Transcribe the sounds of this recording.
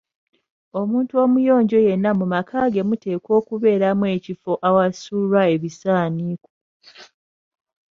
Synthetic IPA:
o̞muːntuo̞mujo̞ːɲɟo̞je̞nːamumakʰaːɡe̞mute̞ːkwo̞ːkuβe̞ːɾamwe̞cifo̞ʔawasuːɾwae̞βisaːniːko̥

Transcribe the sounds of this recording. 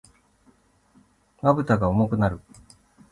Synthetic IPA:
mabɯ̟t̪aɡaomokɯ̟naɾɯ̟

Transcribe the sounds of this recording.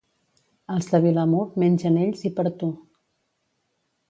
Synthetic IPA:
əlˠzðəβiləmot̪menʲʒəneʎzipəɾt̪u

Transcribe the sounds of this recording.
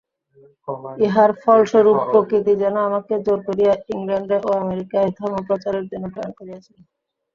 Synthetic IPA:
eɦaɾfʰɔlʃoɾubpːɾokɾit̪̬id͡ʑɛnoamaked͡ʑoɾkoɾijaiŋɾaɳɖɾeʔoameɾikaed̪ʱɔmopɾot͡ɕaɾeɾd͡ʑonːopɾankoɾiat͡ɕʰil

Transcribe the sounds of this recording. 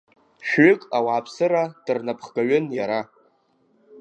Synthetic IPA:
ʃᶣɥʏkʼawaːpʰsɨɾad̥ɨrnapʰχɡ̥aɥɪnjaɾa

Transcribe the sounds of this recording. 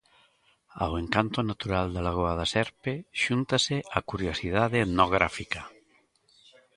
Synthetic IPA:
a̰weŋkant̪onat̪uɾald̪alaɣ̞oaðasɛɾpeʃunt̪aseʔakuɾjosið̞aðenoɣ̞ɾafika

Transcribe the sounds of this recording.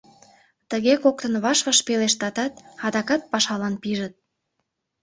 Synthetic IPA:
t̪əɣekok̚t̪ənβɑʃβəʃpeleʃt̪ɑt̪ɑt̪̚ɑd̪ɑkɑt̪̚pɑʃɑlɑnpiʒət̪̚

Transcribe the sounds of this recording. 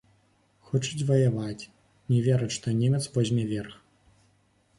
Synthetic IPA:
xɔt͡ʂɨt͡sʲvɐjavat͡sʲ | nʲɛvʲɛɾɐt͡ɕʲʂt̪ɔnʲemʲɛt̪svɔzʲmʲɛvʲɛrx

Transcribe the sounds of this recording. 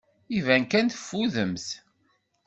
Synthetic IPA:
ivæŋkænθə̥fːuðəmθ

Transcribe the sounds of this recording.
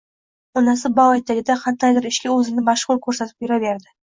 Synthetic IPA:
nasɪbawajt̪ʰːaɡʲɪd̪aqʰɑt̪ʰːajd̪ɪɾɪʃkʲɪɵzɪnɪmaʃʁʊɾkʰɵɾsat̪ʰɪ̥p̚beɾabe̞ɾd̪ɪ

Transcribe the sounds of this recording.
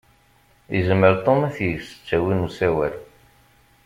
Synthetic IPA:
əzmːəɾt̪ˤomæθjəɡsə̥t͡sːæwinusæwæɾ

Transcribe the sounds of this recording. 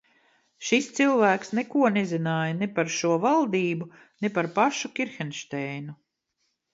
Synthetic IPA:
ʃist̪silˠvæːksnɛkuɔnezinaːjɐnepaɾʃuɔvalˠd̪iːbu | nepaɾpaʃukʲiɾxɛnʃt̪ɛjnu

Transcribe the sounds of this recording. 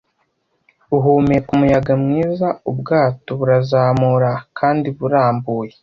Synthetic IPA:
uɦuːmejekumujaɡamŋiːzaubɡaːto̞βuɾazaːmuɾakʰaːndiβuɾaːmbuːje

